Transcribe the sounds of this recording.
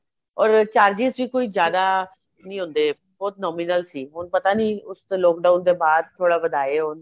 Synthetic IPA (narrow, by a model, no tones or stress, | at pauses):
ɔːɾt͡ʃaːɾd͡ʒisʋiːkoːiːzjaːd̪aː | nĩːɦʊ̃ːnd̪eː | bɔːt̪nɔːmiːnəlsiːɦʊnpət̪aːnĩːʊslɔːk̚ɖaːʊnd̪eːbaːd̪̚t̪ʰːoːɽaːbəd̪aːeːɦʊn